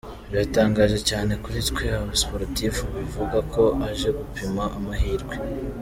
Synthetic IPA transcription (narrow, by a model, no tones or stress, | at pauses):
βjataːŋɡaːʒe̞caːne̞kuɾitkweaβaspoɾtifuβivuɡakʰo̞ʔaʒe̞ɡupimaʔamahiːɾɡwe̞